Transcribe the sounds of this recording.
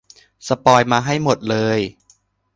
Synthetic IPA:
sa˧pɔː˧jmaː˧ɦa˥˩jmo˨˩t̪̚lɤː˧j

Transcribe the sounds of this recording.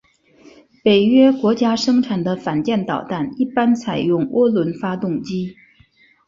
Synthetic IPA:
pe˨˩ɪɥɛ˥kwɔ˧˥t͡ɕja˥ʂɤ˥ŋʈ͡ʂʰa˨˩nd̪ə˦fa˨˩nt͡ɕjɛ˥˩nt̪ɑ˨˩ʊt̪a˥˩ni˥˩pa˥nt͡sʰa˨˩ɪjʊ˥˩ŋwʔɔ˥lwə˧˥nfa˥t̪ʊ˥˩ŋt͡ɕi˥

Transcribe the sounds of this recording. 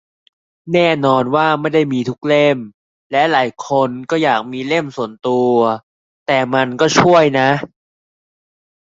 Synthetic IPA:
nɛː˥˩nɔː˧nwaː˥˩ma˥˩jda˥˩jmiː˧t̪ʰu˦˥k̚le˥˩m | lɛ˦˥laː˩˦jkʰo˧nkɔː˥˩jaː˨˩k̚miː˧le˥˩msu˨˩ənt̪u˧ɐ | t̪ɛː˨˩ma˧nkɔː˥˩t͡ɕʰu˥˩əjna˦˥ʔ

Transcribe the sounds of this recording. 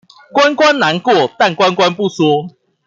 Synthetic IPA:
kwa˦nkwa˦nla˨˦nkwɔ˥˨t̪a˥˨nkwa˦nkwa˦npu˥˨swɔ˥˦

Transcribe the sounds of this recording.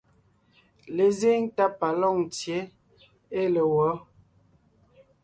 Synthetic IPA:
le˨ze˦ŋta˦pa˨lɔ˦˨ŋtje˨˦ | e˦le˨wɔ˨˦

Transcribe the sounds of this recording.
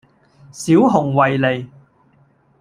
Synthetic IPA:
siː˨˥wɦʊ˨˩ŋwɐ˨jle˨j

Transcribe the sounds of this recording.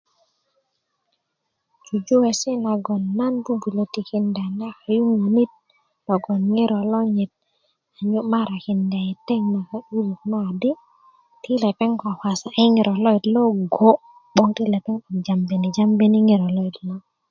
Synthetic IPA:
t͡ʃu˨d͡ʒu˦wɛ˨sɪ˦na˨ɡɔ˨nːa˦nbu˦bu˨lo˨ti˨kɪ˨nda˨nɛ˦ka˨ju˦ŋo˨ni˦t̚ | lɔ˨ɡɔ˨nŋɪ˦ɾɔ˨lɔ˦ɲɪ˨t̚ | a˨ɲu˦ma˦ɾa˨kɪ˨nda˨i˨tɛ˦ŋma˨ka˦ʔu˦lu˨knɔ˦a˨dɪ˦ | tɪ˦lɛ˨pɛ˦ŋka˨ha˨sa˨ʔi˦ŋɪ˨ɾʔɔ˨lɔ˦i˨tlɔ˦ɡo˦ | bɔ˦ŋti˦lɛ˨pɛ˦ŋa˨d͡ʒa˨mbe˨ni˨d͡ʒa˦mbe˦ni˦ŋɪ˨ɾɔ˨lɔ˦i˨tlɔ˦

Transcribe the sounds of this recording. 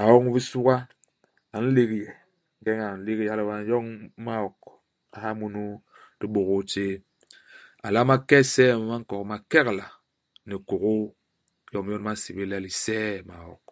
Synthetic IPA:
a˨wɔ˦ŋ˦βi˦su˦ɣa˦ | a˨n̩˦le˦ki˨jɛ˨ | ŋ˦ɡɛ˦ŋa˨n̩˨le˦ki˦ja˦li˦wa˦n˦jɔ˦ŋ˦ma˦ɔ˨k | a˨ɦa˦mu˦nu˦ | d̥i˦ɓo˨ɣu˦t͡ʃe˦ | a̰˨la˦ma˦kɛ˦sɛ˦˨m˨ma˦ŋ̩˦kɔ˨kma˨kɛ˦kla˨ | ni˨ku˨ɣu˦ | jɔ˦m˦jɔ˦n˦ma˦si˨bi˦la˦li˨sɛː˦ma˨wɔ̰˨k

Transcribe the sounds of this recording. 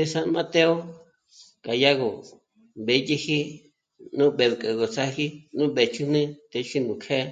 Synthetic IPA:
e˧sa˧nmã˧t̪e˦o˦ | ka˨ja˦ɣo˨ | be˨˧ji˦hi˦ | nũ˦ɓe˨βkʼe˨ɣo˨t͡sa˦ɦi˦nũ˦ɓe˨t͡ʃu˦nĩ˦t̪e˧ʃi˦nũ˨kʰe˦

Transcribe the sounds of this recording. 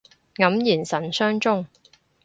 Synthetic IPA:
ŋɐ˨˥mjiː˨˩nsɐ˨˩nsœː˥ŋt͡sʊ˥ŋ

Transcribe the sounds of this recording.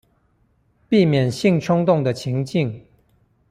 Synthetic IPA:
pi˥˩mjɛ˨˩nɕi˥˩ŋʈ͡ʂʰʊ˥ŋt̪ʊ˥˩ŋd̪ə˨t͡ɕʰi˧˥ŋt͡ɕi˥˩ŋ

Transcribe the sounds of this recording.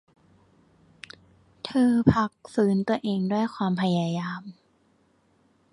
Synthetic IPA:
t̪ʰɤː˧pʰa˦˧k̚fɯː˩˦˥nt̪u˧ɐʔeː˧ŋdu˥˩əjkʰwaː˧mpʰa˧jaː˧jaː˧m

